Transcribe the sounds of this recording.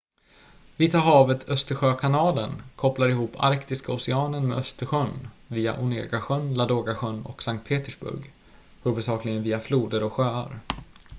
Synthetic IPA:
vɪt̪ʰɑːɾɦɑːvət̪ʰœst̪əɧøːkʰanɑːlənkʰɔplaɾɪhuːpʰa̰ɾkt̪ɪskaʊsɛɑːnəɳmḛœst̪əɧœnviːa̰ʔʊnḛːɡaɧœnlad̪oːɡaɧœnːɔ̰ksaŋkt̪̚pʰeːt̪əʂbɵ̰ɾɡ | hʉːvəsɑːklɪɡənviːafluːd̪əɾɔɧøːa̰ɾ

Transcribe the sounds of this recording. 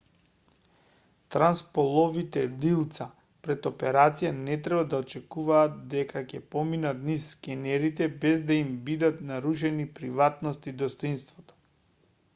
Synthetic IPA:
t̪ɾanspɔlˠɔvit̪ɛlilˠt̪sa | pɾɛt̪opɛɾat̪sijanɛt̪ɾɛbad̪aɔt͡ʃɛkuvaːt̪̚d̪ɛkʰakɛpɔminat̪nisːkɛnɛɾit̪ɛbɛzd̪aimbid̪at̪naɾuʃ̬ɛnipɾivat̪nɔst̪id̪ɔst̪ɔinst̪vɔt̪ɔ̥

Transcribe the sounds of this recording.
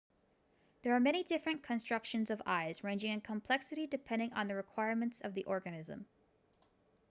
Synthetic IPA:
ðə˞ːmɛɾ̃idɪfɹɨ̃nkʰɨ̃nstɹ̥ʌkʃɨ̃nzʌva̰ɪzɹẽɪ̃nd͡ʒɪ̃ŋɨ̃nkʰə̃mpʰl̥ɛksɨɾidɨpʰɛ̃ndɪ̃ŋʔə̰̃nðɨɹɨkʰw̥aɪɹmɨ̃ntsʌvðiʔɔɹɡɨnɪzə̰̃m

